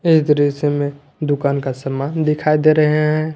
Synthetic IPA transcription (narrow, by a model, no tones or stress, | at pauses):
ɪsd̪əɾisemẽ | d̪ʊkaːnkasəmaːnd̪ɪkʰaːid̪eɾəɦeɦɛ̃ː